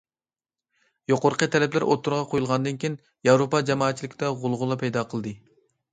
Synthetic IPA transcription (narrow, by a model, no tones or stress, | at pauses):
joqoɾqʰət̪ʰɛlɛplɪɾʔo̰t̪ʰːuɾʁɑqʰojulˠʁɑnd̪ɨnkʲijn | jɑwɾopɑd͡ʒɛmɑːt̪t͡ʃʰːilɪkʲd̪ɛʁʊlˠʁʊlˠɑpʰɛjd̪ɑqʰəlˠd̪ɨ